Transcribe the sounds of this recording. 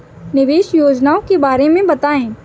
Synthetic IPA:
nɪʋeːʃjoːd͡ʒnaːõkebaːɾemẽbɐt̪aːẽː

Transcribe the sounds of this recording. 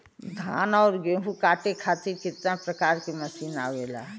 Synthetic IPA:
d̪ʱa̰ːnɔːɾɡẽːɦukaːʈekʰaːt̪iɾkɪt̪napɾəkaːɾkimɐsiːna̰ːwela̰

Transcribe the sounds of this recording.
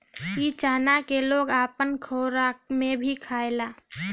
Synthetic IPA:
kit͡ʃaːnakeloːɡaːpənkʰoːɾamẽbʱikʰaːelaː

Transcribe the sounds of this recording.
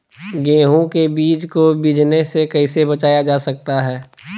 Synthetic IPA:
ɡẽːɦõkebiːt͡ʃkobɪd͡ʒnesekɐɪsebɐt͡ʃaːjad͡ʒaːsɐk̚t̪aɦɛː

